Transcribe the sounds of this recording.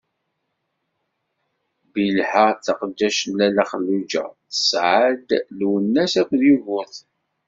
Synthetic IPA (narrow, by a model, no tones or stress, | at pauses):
bilħat͡sːɑqd̪ːæʃnlælæχəlːud͡ʒæ̰θə̥sʕəd̪lwənːæsækʷðjuvʊθ